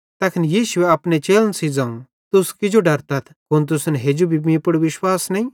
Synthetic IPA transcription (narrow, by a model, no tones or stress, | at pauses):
t̪ɐkʰɪnjiːʃʊeɐpnet͡ʃeːlənsid͡zãːũ | t̪ʊskɪd͡ʒoɖɐɾt̪ɐt̪ʰkʊnt̪̬ʊsnɦeːd͡ʒubʱimĩpʊɽʋɪʃwaːsnĩ